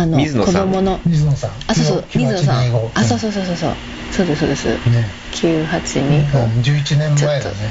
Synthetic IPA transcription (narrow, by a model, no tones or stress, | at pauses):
anomɨko̞dd̪o̞mo̞no̞mʲiznosãasoːsomʲizɨnsãɡoasoːsoːsoːsoːso̰ː | soːd̪essoːd̪esɨ̰ | kʲʰɨːhat͡ɕiɲ̟ĩd͡ʑɨːit͡ɕinẽmt͡ɕmaeone